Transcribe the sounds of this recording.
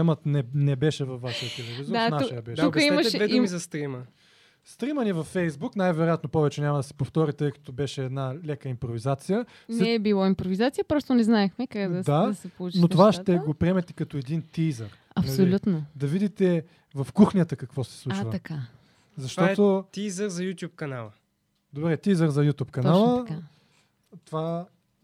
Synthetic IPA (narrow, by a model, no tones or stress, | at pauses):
ɛmət̪nɛnɛbɛʃɛvɐfːaʃət̪ət̪ɛlɛvizoɾanaʃəj̪əɐbɛʃukiɛɐʃd̪vɛdd̪ummizɐst̪ɾimə | st̪ɾimənivɐfːɛjzbuknajvɛɾojat̪nopɔvɛt͡ʃɛnʲamɐd̪ɐsɛ̥poft̪ɔɾit̪əjkɐ̥t̪obɛʃɛːd̪nalɛkəimpɾovizat̪sijə | nɛːbilˠɔimpɾovizat̪sijəpɾɔst̪onɛznaɛxmɛkakad̪ɐd̪ad̪ɐsɛpout͡ʃnot̪ovaʃt̪ɛɡopɾiɛmɛt̪ɛ̥kɐt̪oɛd̪int̪izəɾ | ɐp̪olʲut̪nod̪ɐvid̪it̪ɛ | vɐfkuxnʲijət̪əkɐkvɔsɛ̥slˠut͡ʃvəɐka | zɐʃt̪ɔt̪ot̪izəɾzɐjut̪ʲjup̚kɐnalˠə | d̪obɾɛt̪izəɾzɐjut̪ʲupkɐnalˠəa | t̪ova